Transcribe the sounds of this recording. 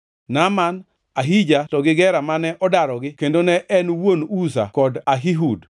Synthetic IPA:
naman | aɦid͡ʒatɔɡɪɡɛɾamanɛʔɔdaɾɔɡɪkendonɛʔɛnwonusa̰kɔdaɦiɦud

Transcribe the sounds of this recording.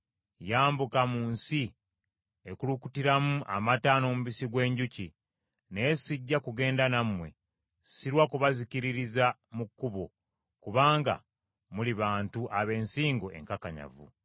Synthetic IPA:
jaːmbukamuːnsi | ekulukutiɾamuʔa̰mataːno̞ːmuβisiɡwe̞ːɲɟuci | neesiɟːakuɡe̞ːndanamwe̞̰ | siɾwakuβaziciɾiɾizamukːuβo | kuβaːŋɡa̰ | muliβaːntuʔaβe̞ːnsiːŋɡoʔe̞̰ŋkakaɲa̰vṵ

